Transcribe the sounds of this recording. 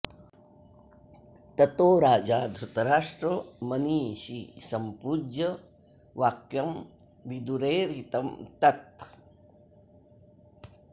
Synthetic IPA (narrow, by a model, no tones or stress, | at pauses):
t̪ɐt̪oːɾaːd͡ʒaːd̪ʱɾut̪ɐɾaːʂʈɾomɐniːʃisɐmpuːd͡ʒɐ | ʋaːkjɐm | ʋid̪uɾeːɾit̪ɐmt̪ɐt̪